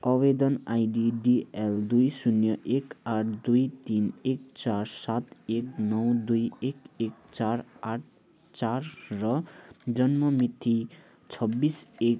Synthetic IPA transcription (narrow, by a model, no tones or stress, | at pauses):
ʌβed̪ʌnajɖiɖield̪ujsunjʌʔekaʈʰd̪ujt̪inek̚t͡sarsat̪eknʌwd̪ujekek̚t͡saraʈ̚ʰ | t͡sarːʌd͡zʌnmʌmit̪ʰːi | t͡sʰʌbːisek